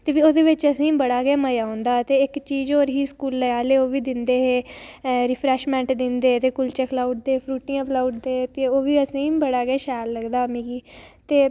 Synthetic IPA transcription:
t̪eːʋiːoːd̪eːʋɪt͡ʃəsĩːbəɽaːɡɛːməjaːõnd̪aːt̪eːɪkt͡ʃiːzoːɾɦiːskuːlːəjaːleːoːʋiːd̪ɪnd̪eːɦeːɾɪpʰɾɛːʃmɛ̃ːɳʈd̪ɪnd̪eːt̪eːkʊlt͡ʃɛːklaːʊʈ̚d̪eːpʰɾuːʈĩːãːplaːʊɖd̪eːt̪eːoːʋiːəsĩːbəɽaːɡɛːʃɛːlləɡd̪aːmĩːɡiːt̪eː

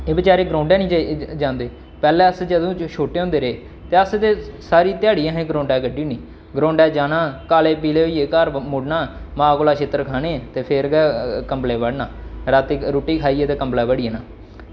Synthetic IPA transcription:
eːbɪt͡ʃaːɾeːɡɾõːɳɖɛːnĩːd͡ʒãːnd̪eː | pɛːlɛːəsd͡ʒəd̪õːt͡ʃʃʰoːʈeːõnd̪eːɾeː | t̪eːəst̪eːsaːɾiːt̪ɪjaːɽiːãːɦẽːɡɾõːɳɖɛːɡəɖiːnĩː | ɡɾõːɳɖɛːd͡ʒaːnãːkaːleːpiːleːoiːeːkaːɾmʊɽnaːmãːkoːlaːʃʰeːt̪ːəɾkʰaːnẽːt̪eːpʰeɾɡɛːkəmpleːʋəɽnaːɾaːt̪iːɾoːʈiːkʰaːiːet̪eːkəmplaːbəɽiːɛːnaː

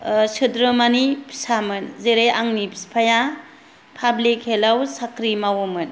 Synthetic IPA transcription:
sɯdɾɯmanipʰi̥samɯnzeɾejʔaŋnipʰispʰaja | pʰablikhelawsakʰɾimawomɯn

